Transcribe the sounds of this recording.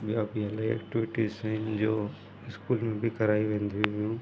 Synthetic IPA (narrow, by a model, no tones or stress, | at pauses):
bijaːbiɐlaːiɛ̰ːkʈɪʋɪʈizaɦɪnd͡ʑoː | ɪskuːlmẽbʱikɐɾaːiʋẽːnd̪ʱiiʋijũː